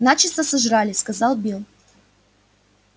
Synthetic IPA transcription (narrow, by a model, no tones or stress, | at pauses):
nat͡ɕɪst̪əsɐʐɾalʲɪskɐzɑlˠbʲilˠ